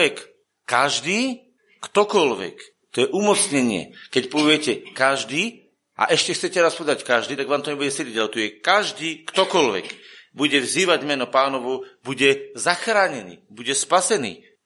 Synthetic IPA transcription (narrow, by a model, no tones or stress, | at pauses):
ɛk | kaʒd̪iː | kt̪ɔkɔlʋɛ̰k | t̪ɔjɛʔumɔt͡sɲɛɲɪɛ̰kɛcpɔʋɪɛcɛkaʒd̪iː | ʔa̰ʔɛʃcɛxt͡sɛcɛɾaspɔʋɛd̪ackaʒd̪iːt̪aɡʋaːmt̪ɔɲɛbuɟɛsɛɾiat̪ujɛkaʒd̪iːkt̪ɔkɔlʋɛ̰kbuɟɛvziːʋaɟmɛnɔpaːnɔʋɔbuɟɛzaxɾaːɲɛnḭːbuɟɛspasɛnḭː